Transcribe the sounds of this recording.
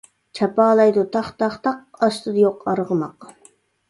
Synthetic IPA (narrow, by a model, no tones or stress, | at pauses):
t͡ʃʰɑpɑːlˠɑjd̪ut̪ʰɑχt̪ɑχt̪ɑq̚ɑʃt̪ɨd̪ɨjoqɑɾʁəmɑq